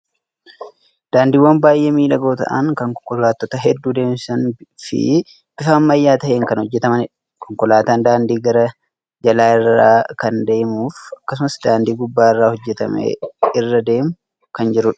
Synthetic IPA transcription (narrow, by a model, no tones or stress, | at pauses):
d̪̥aːnd̪iːwːɐnbaːjʔeːmiːᶑɐɡo̞ːt̪ɐ̰ʔɐ̰ŋkɐŋkɔkːɔlaːt̪ːot̪ɐɦɛd̪ːuːd̪e̞ːmsɐnfɪ̰ | b̥ɪfɐːmːɐjːaːt̪ɐʔeːŋkɐnhɔd͡ʒːɛt̪ɐmɐn | kɔŋkɔlaːt̪aːnd̪aːnd̪iːɡɐɾɐ | d͡ʒɐlaːɪrːaːkɐnd̪e̞ːmuːfɐkːɐs̬ʊmɐsd̪aːnd̪iːɡʊbːaːɪrːaːhɔd͡ʒːɛt̪ɐ̰mḛɪrːɐd̪e̞ːmʊ | kɐnd͡ʒɪɾʊᶑɐ̥